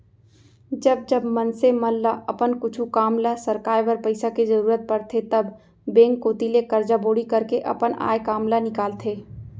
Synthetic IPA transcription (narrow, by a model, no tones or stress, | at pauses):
d͡ʒɐb̚d͡ʒɐbmɐnsemɐlːaʔɐpənkʊt͡ʃʰukaːmlasɐɾkaːjʋəɾpɐɪsakizɐɾuːɾət̪̚pɐɾt̪ʰet̪ɐbː | ẽːŋkːoːt̪ilekɐɾd͡ʒaboːɽikɐɾkeʔɐ̰pəna̰ːjkaːmlanɪkaːlt̪ʰeː